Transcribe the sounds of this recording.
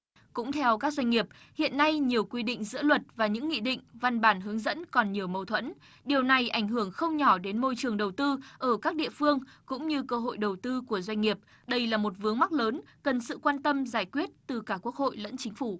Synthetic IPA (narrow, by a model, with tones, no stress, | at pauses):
kʊ̰˧˥ŋ͡mt̪ʰɛ˧wkaː˦˥k̚zwa˧ŋ̟ŋi˨˩əp̚ | hḭ˧˨ənːa˧jɲi˨˩əwkwi˧ɗḭ̈˧˨ŋ̟zɨ̰˧˥əlwə˨˩t̚vaː˨˩ɲɨ̰˧˥ŋːḭ˧˨ɗḭ̈˧˨ŋ̟va˧nɓaː˧˩nɦɨ˨˦əŋzə̰˧˥nkɔ˨˩nɲi˨˩əwmə˨˩wt̪ʰwə̰˧˥n | ɗi˨˩əwna˨˩jʔa˧˩jŋ̟ɦɨ˧˩əŋxə˧wŋ͡mɲɔ˧˩ɗe˨˦nmo˧jt͡ɕɨ˨˩əŋɗə˨˩wt̪ɨ˧ʔəː˧˩kaː˦˥k̚ɗḭ˧˨əfɨ˧əŋkʊ̰˧˥ŋ͡mɲɨ˧kəː˧ɦo̰˧˨jɗə˨˩wt̪ɨ˧ku˧˩əzwa˧ŋ̟ŋi˨˩əp̚ | ɗə˧jlaː˨˩mo˨˩t̚vɨ˨˦əŋma˦˥k̚ləː˨˦n | kə˨˩nsɨ̰˧˨kwaː˧nt̪ə˧mzaː˧˩jkwi˦˥ət̚t̪ɨ˨˩kaː˧˩ku˦˥ək̚ho̰˧˨jlə̰˧˥nt͡ɕï˨˦ŋ̟fu˧˩